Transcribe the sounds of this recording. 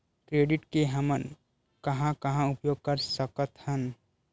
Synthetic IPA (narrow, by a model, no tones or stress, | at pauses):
kɾeːɖɪʈkeɦəmən | kəɦãkəɦãʊpjoːɡ̚kəɾsəkət̪hən